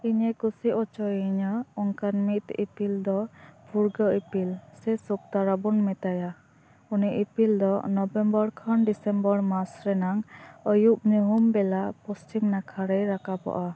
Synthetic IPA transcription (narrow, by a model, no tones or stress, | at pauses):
iɲɛkusiʔɔt͡ʃɔjiɲəɔŋkaɾmit̪ḭpild̪ɔbʱuɾɡəipilsɛsuk̚t̪aɾabunmɛt̪aja | uniʔipild̪ɔnɔbɛmbɔɾkʰənɖisɛmbɔɾmasɾɛnaŋəjup̚ɲuɦumbɛlapɔst͡ʃiŋnakʰaɾɛjɾakapɔ̰ʔa